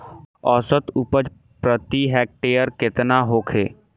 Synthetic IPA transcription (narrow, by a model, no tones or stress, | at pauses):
ɔːsət̪upəd͡ʒ | pɾət̪iɦɛːk̚ʈeːjəɾkɪt̪naɦoːkʰeː